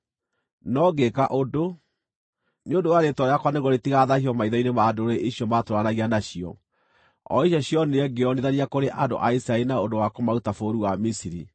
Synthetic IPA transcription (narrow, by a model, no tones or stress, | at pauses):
nɔɡekaʔodo | neondowaɾetɔɾeakwaneɣɔɾetiɣaðahiɔmaiðainemaːdoɾeʔiɕjɔmatoɾanaɣianaɕiɔ̰ | ɔ̰iɕɔɕiɔneɛɡeɔneðaɾiakoɾeʔando̰ʔaisɾaeɾinaondowakomautafoɾuwamisiɾi